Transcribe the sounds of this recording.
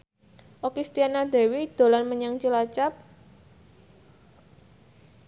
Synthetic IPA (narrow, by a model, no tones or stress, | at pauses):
ʔokist̪ianad̪̥e̤wid̪̥o̤lanməɲaŋt͡ʃilat͡ʃap̚